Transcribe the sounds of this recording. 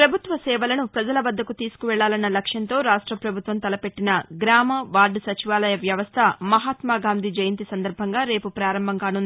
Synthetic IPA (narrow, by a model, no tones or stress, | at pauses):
pɾɐbʱut̪ʋɐsɛːʋɐlɐnupɾɐd͡ʒɐlɐʋɐd̪ʱːɐkut̪iːsu̥kuʋɛɭːaːlɐnːɐlɐkʂjɐnt̪o̞ːɾaːʂʈɾɐpɾɐbʱut̪ʋɐmt̪ɐlɐpe̞ʈːinɐɡɾaːmɐʋaːɾɖʱɐsɐt͡ʃiʋaːlɐjɐʋjɐʋɐst̪ʰɐmɐɦaːt̪maːɡaːnd̪ʱid͡ʒɐjɐnt̪isɐnd̪ɐɾbʱɐŋɡaːɾe̞ːpupɾaːɾɐmbʱɐŋkaːnund̪i